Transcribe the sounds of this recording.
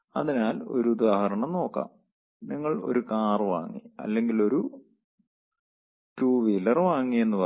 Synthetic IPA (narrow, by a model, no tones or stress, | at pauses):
ɐ̰ðinaːlo̞ɾud̪aːhɐɾɐɳɐmno̞ːkːa̰ːm | niŋːɐɭo̞̰ɾukaːrʋa̰ːŋːḭɐ̰lːe̞ŋɡilo̞ɾu | ʈuːʋilːɐrʋaːŋːije̞nːupɐ